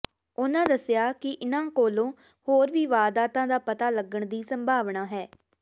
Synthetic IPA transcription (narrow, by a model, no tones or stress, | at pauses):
ʊnãːd̪əsɪjaːkɪʔɪnãːkoːlõː | hoːɾʋiːʋaːd̪aːt̪ãːd̪aːpət̪aːləɡəɳd̪iːsəmbʱaːʋɳaːɦɛː